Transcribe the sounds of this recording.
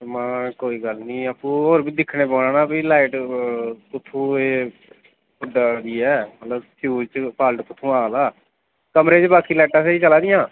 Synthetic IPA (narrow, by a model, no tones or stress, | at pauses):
mãːkoːiːɡəlnĩːəpũːɦoːɾbiːd̪ɪkʰneːboːnãːnaːbiːlaːɪʈ | kʊt̪ʰːũːeː | ʊɖaːd̪iːɛːmət̪ləbʃʰjuːd͡ʒt͡ʃpʰaːlʈkʊt̪ʰːũːaːlaː | kəmɾeːt͡ʃbaːkiːlɛːʈãːseiːt͡ʃəlaːd̪ɪjãː